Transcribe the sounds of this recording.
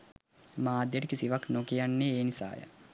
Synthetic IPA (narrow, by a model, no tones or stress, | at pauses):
maːd̪jəʈəkisiʋaknokijanːeeːnisa̰ːjə̰